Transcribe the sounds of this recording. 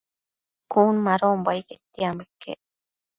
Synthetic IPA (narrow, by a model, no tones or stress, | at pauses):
kunmaɾombajket̪ːiamekːḛ